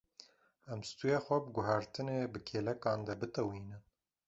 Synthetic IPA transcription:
ɛmst̪ujeːxʷɛbəɡʊɦɑɾt̪ɨneːbɨkʰeːlɛkɑːnd̪ɐbɨt̪ɛwiːnɨn

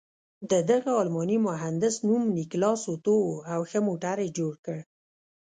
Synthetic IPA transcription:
d̪əd̪aɣaɑlmɑnimʊɦand̪ɪsnumniklɑsot̪oawxəmoʈaɾed͡ʒoɽkəɽ

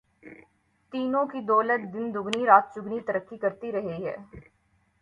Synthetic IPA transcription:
t̪iːnõːkiːd̪oːlət̪̚d̪ɪnd̪ʊɡniːɾaːt̪̚t͡ʃʊɡniːt̪əɾəkːiːkəɾt̪iːɾəɦeːɦɛ̰ː

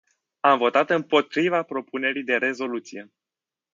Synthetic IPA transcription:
amvo̞t̪at̪ɨmpo̞t̪ɾivapɾo̞pune̞ɾijd̪e̞ɾe̞zo̞lut̪sije̞

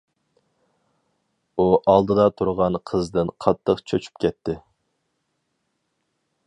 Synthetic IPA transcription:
uʔɑlˠd̪ɨd̪ɑt̪ʰuɾʁɑnqʰəzd̪ɨnqʰɑt̪ʰːəqt͡ʃʰøt͡ʃʰy̥p̚kʲɛt̪ʰːɪ

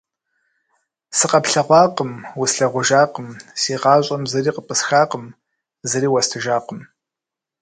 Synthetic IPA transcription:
sɨqɐpɬɐʁʷɑːqəmwʊsɬɐʁʷʊʒaːqəmsiːqɑːɕʷʼɐmzɐriːqəpʼɨsxaːqəm | zɐɾiːwɐstʰɨʒaːqəm

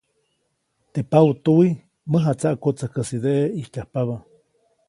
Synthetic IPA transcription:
t̪epawt̪ui | məɦat͡saʔkot͡səhkəsid̪eʔeihtʲahpaβa

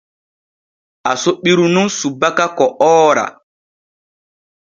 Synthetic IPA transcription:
ʔasɔɓiɾununsubakakɔʔɔːɾa̰

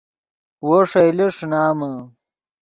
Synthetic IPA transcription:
woʂɐjleʂnaːmɐ

